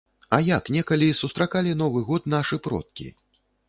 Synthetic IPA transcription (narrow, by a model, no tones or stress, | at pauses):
ɐjaknʲɛkɐlʲisust̪ɾakalʲin̪ɔvɨɣɔt̪̚naʂɨpɾɔ̰t̪̚kʲḭ